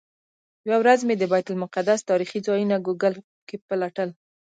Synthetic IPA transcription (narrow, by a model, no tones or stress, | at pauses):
jɪwawɾazmed̪əbajt̪ʊlmʊqad̪ast̪ɑɾixizɑjunaɡoɡəl | kepəlaʈəl